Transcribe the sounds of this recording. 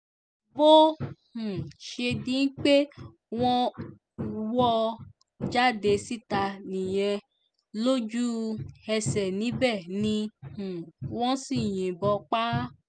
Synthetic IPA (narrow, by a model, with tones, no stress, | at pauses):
bo˦hũ˨ʃe˧dĩ˨˦n̩˦k͡pe˦ | w̃ɔ̃˦ | wɔ˦ | d͡ʒa˦˨de˧si˦˨ta˧nĩ˨j̃ɛ̃˧ | lo˦d͡ʒu˦ɛ˧sɛ˨nĩ˨˦bɛ˦˨nĩ˧hũ˨wɔ̃˦si˦˨j̃ĩ˨bɔ˧k͡pa˦